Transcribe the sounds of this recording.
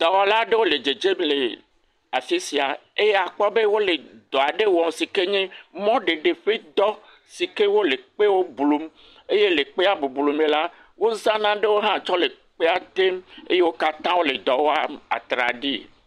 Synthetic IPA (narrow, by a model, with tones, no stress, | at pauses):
d̪̥ɔ˨wa˨la˦ɖe˦wo˦le˨d͡ʒe˨d͡ʒe˦mle˨ | a˨fi˦si˨a˨e˦je˦a˨k͡pɔ˦be˦wo˦le˨d̪ɔ˨a˨ɖe˦wɔ˨m˦si˨ke˦ɲẽ˦mɔ̃˦ɖe˨ɖe˨ɸe˦d̪ɔ˦ | si˨ke˦wo˦le˨k͡pe˦wo˦blu˨m | e˦je˦le˨k͡pe˦a˨bu˨blu˨mẽ˨la˦ | wo˦zã˦nã˦ɖe˦wo˦ɦã˦t͡ʃɔ˦le˨ | k͡pe˦a˨t̪e˦mḛ˦je˦wo˦ka˦t̪ã˦wo˦le˨d̪ɔ˨wo˦a˦a̰˨t̪ɾa̰˨ɖḭ˦˨